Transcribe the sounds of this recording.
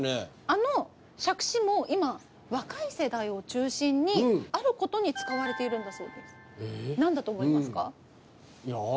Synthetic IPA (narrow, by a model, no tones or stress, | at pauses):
ne | ano̞ | ɕakɯ̟̥ɕimo̞ʔima | βakaise̞d̪aio̞t͡ɕɨːɕĩɲ̟ːiaɾɯ̟ko̞t̪o̞ɲ̟it͡sɨ̥kaβ̞aɾe̞t̪e̞iɾɯ̟̃nd̪aso̞ːd̪e̞sɨ̥ | nãnd̪at̪o̞ːmoimasɨ̥ka | ja